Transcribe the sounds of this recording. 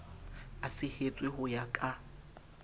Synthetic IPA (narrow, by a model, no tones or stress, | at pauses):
asɪhet͡sʼwɪhʊjakʼa